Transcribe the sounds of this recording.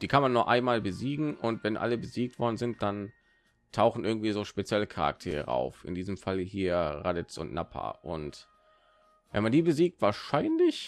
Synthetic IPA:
d̥iːkʰanmanːuːɐʔa̰ɪnmaːlbəziːɡŋ̩ʔʊntv̥ɛnʔa̰ləbəziːk̚tv̥ɔɐdn̩zɪnt̚d̥an | tʰaʊxn̩ʔɪɐɡŋ̩tv̥iːzoːʃpet͡sjɛləkʰaʁa̰k̚tʰeːʁə̰a̰ʊfɪ̰ndiːzəmfaləɦiːɐʁadɛt͡sʊ̰ntnʔa̰pʰa̰ʔʊnt | vɛ̰nmandiːbəziːk̚tv̥aːɐʃaɪnlɪç

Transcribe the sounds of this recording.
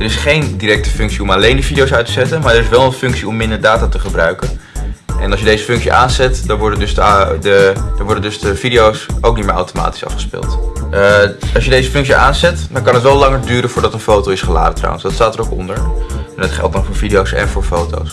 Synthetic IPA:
dəɾɪsχejndiɾɛk̚tə̥fʏŋksiɔmalejndəvidijowsœɥtəzɛtənmaːɹdəɾɪsʋɛlˠənfʏŋksiɔmːɪndəɹdaːtaːtəχəbrœɥkən | ʔɛnɑlˠsjədejzəfʏŋksḭʔaːnzɛtdɑnʋɔɹdəndɵsddəd̥əɹʋɔɹdəndɵzdəvidiowsʔowk̚nitmɪːɹa̰wtoma̰ːti̥sɑ̰fχə̥spɪ̰ːlˠt | ɑlˠʃjədejzəfʏŋks̬iʔaːnzɛtdɑnkɑnɦətʋɛlˠɑŋəɹdyːɾənvʊːɹdɑtənfowtowɪsχəla̰ːdətra̰wənsdɑtstaːtəɾowkɔ̰ndəɹɛndətχɛ̰lˠt̚dɑnfʊːɹvidiowsɛ̰nvʊːɹfowto̰ws

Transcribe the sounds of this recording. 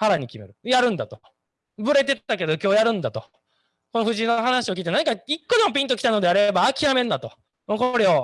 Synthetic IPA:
haɾaɲ̟ikʲime̞̰ɾɯ̟jaɾɯ̟̃nd̪at̪o | bɯ̟ɾe̞t̪e̞ak̬e̞d̪o̞kʲo̞ːjaɾɯ̟̃nd̪at̪o̞̰ | ko̞noɸɯ̟ʑinːoɦanaɕio̞k̬ʲiːt̪enãɲikaikːo̞d̪e̞mo̞p̬ʲĩnt̪okʲi̥t̪ano̞d̪eaɾe̞baːkʲiamẽ̞nːat̪õ̞ | koɾe̞o

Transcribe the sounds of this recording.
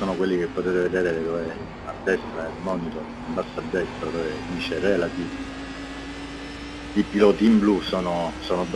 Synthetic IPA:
oːnokwelːik̟epːot̪eːt̪eved̪eːɾeːɾed̪ove | ad̪ːɛst̪ɾaelmɔːnit̪o | imbasːad̪ːɛst̪ɾod̪oːved̪iːt͡ʃerelat̪iːv | ipilɔːt̪iːmblusoːnosoːnod̪

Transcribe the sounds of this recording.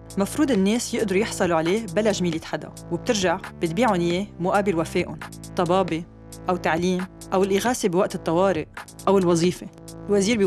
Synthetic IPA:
mafɾuːd̪ɪnːeːsjɪʔd̪ɑɾujɪħsˤɑluʕaleːbalaʒmiːlet̪ħad̪a̰ | wɪb̚t̪ɪɾʒaʕb̥ɪt̪̚biːʕʊnjeːmʊʔaːbɪlwafeːʔʊnt̪ˤːɑbɑːbe | ʔawt̪aʕliːm | ʔawɪlʔɪɣaːsebiwaʔt̪ɨt̪ˤːɑwɑːɾɪʔ | ʔawɪlwɑzˤiːfe | ɪlwaziːɾb

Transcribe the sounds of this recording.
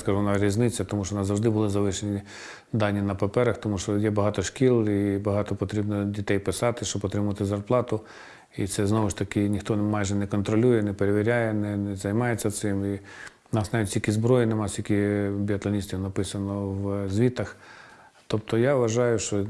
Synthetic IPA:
skɐʒunɑɾʲiznɪt͡sʲːɐt̪ɔmuʃt͡ʃɔʋɔnɑzɐwʐʒd̪ɪbʊlˠɪzɐʋɪʃenʲi | d̪ɑnʲːinɐpɐpɛɾɐxt̪ɔmuʃt͡ʃɔjɛbɐɦɑt̪ɔʃkʲilˠibɐɦɑt̪ɔpɔt̪ɾʲibnɔdʲit̪ɛjpɪsɑt̪ɪʃt͡ʃɔbpːɔt̪ɾɪmʊɐt̪ɪzɐrplˠɑt̪ʊ | it̪sɛznɔʋɪʃt̪ɐkɪnʲixt̪ɔmɑjʒɛnɛkɔnt̪ɾɔlʲujɛnɛpeɾeʋʲiɾʲajɛnɛnɛzɐjmɑjet͡sʲːɐt̪sɪmi | ʊnɑsnɑʋitʲtʲilʲkʲizbɾɔjinemɑsʲt̪ʲilʲkʲibʲiɐt̪lˠɐnʲisʲt̪ʲiwnɐpɪsɐnɔwzʲʋʲit̪ɐx | t̪ɔpt̪ɔjaʋʋɐʒɑjʊʃt͡ʃɔ

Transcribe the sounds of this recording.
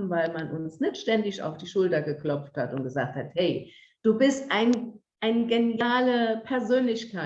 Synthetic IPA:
n̩vaɪlmanʔʊnsnɪçtʃtɛndɪça̰ʊfd̥iːʃʊltɐɡəklɔp͡fthatʊnt̚ɡ̥əzaːk̚thathɛɪ | d̥uːbɪstʔaɪn | ʔaɪnəɡenjaːləpʰɛɐzøːnlɪçkʰaɪ

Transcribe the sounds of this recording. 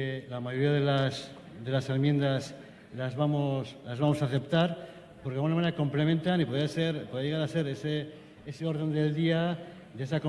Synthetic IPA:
elamaʝo̞ɾiaðelas | ðe̞lasemje̞nd̪as | lazβamoslazβamo̞saθe̞pt̪aɾ | poɾkeaɣunamaneako̞mple̞mẽ̞nt̪anipoðeaseɾpoðeaʝeaɾase̞ɾese | eseo̞ɾðe̞nd̪e̞ld̪ia | d̪es̬ako

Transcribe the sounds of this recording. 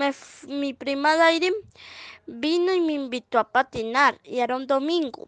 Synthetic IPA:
emipɾimaðajɾim | binojmimbit̪wapat̪inaɾjaɾond̪omiŋɡo̰

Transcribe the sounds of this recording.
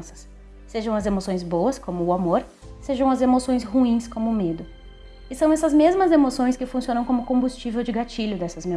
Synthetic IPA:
sɐ̥s | seʒɐ̃w̃ɐzemosõj̃zbowɐskõmʊːamoɾ | seʒɐ̃w̃ɐzemosõj̃shuĩskõmʊːmed̪ʊ | ɪsɐ̃w̃ɛsɐzmezmɐzemosõj̃skɪfũsiõnɐ̃w̃kõmʊkõbust͡ʃivewd͡ʒɪɡat͡ʃiʎʊd̪ɛsɐzme

